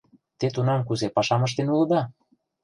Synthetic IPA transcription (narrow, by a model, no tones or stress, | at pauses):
t̪et̪unɑmk̬uzepɑʃɑmɤ̆ʃ̬t̪enulɤ̆d̪ɑ